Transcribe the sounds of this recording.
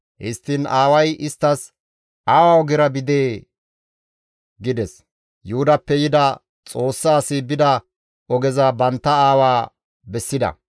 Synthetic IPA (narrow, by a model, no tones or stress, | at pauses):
hɪst̪ːɪnaːwɐjɪst̪ːɐs | ʔaːwaːɔɡɪɾɐbɪd̪eː | ɡɪd̪ɛs | jʊhʊd̪ɐpːɛjɪd̪ɐ | t͡sʼo̞ːsːaːsɪbɪd̪ɐ | ɔɡɛzɐbɐnt̪ːɐaːwaː | bɛsːɪd̪ɐ̰